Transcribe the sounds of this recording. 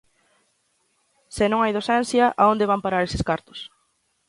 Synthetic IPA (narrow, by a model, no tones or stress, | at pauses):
senõŋajðosɛnθjɐʔaond̪eβ̞ampaɾaɾesɪskaɾt̪ʊ̥s